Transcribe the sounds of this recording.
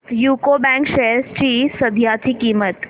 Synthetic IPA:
juːkoːbɛ̃ŋkʃejəst͡ɕisəd̪ʱjaːt̪ʰikiːmət̪

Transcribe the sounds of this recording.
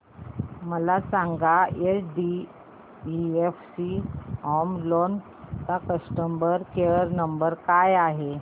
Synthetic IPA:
məlasaŋɡaeɖi | iefsiɔmlon | takəsʈəmbəɾkeəɾnəmbəɾkajaɦe

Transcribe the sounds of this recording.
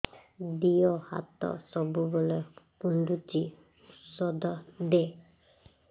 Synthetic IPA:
d̪ijɔha̰t̪ɔ̰sɔbubɔlɔpund̪uti | sɔd̪ɔd̪e

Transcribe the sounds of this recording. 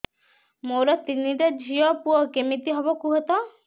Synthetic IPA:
moɾɔt̪iniʈed͡ʒʱijɔpuɔkemit̪iɦɔbɔkuɦɔt̪ɔ

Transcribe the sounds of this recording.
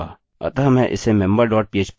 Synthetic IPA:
a̰ː | ɐ̰t̪aːmɛ̃ʔɪ̰semɛ̃mbəɾɖɔːʈ̚pieːt͡ʃp

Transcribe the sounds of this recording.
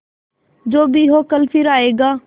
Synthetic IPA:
d͡ʒoːbʱiːɦoːkəlfʰɪɾaːeːɡaː

